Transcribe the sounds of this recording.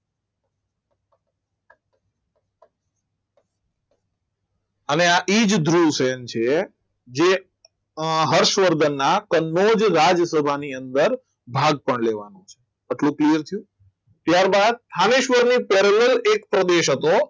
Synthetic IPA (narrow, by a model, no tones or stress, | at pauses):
əneaʔid͡ʒd̪ʱɾusent͡ʃʰe | d͡ʒe | ɦəɾʃʋəɾd̪ənːakənːod͡ʒɾad͡ʒəsəbʱaniənd̪əɾ | bʱaɡ̚pəɳleʋanũt͡ʃʰe̥ | əʈlũklijəɾt̪ʰijũ | t̪jaɾbad̪̚t̪aneʃʋəɾnipeɾelelek̚pɾəd̪eʃɦət̪o